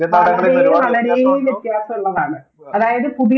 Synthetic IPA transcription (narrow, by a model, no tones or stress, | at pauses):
nɐlɐɾeːjuʋɐlɐɽejuʋit̪ːijaːsɐmulːɐðaːɳɨ | ɐðaːjɐðɨkuɽi